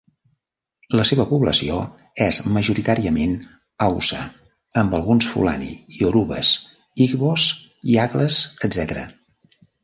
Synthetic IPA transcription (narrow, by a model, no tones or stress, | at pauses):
ləseβəpuβləsio | ɛzməʒuɾit̪aɾiəmen | awsə | əmbəlˠɣunsfṵla̰nḭioɾuβə̰s | iɣβos | iaɣləzəd̪zɛt̪ɾə̰